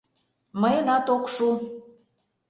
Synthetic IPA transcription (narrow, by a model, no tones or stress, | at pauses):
məjənɑt̪okʃu